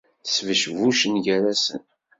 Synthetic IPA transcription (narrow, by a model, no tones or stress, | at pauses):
svəʃvuʃənʝæɾæsə̰n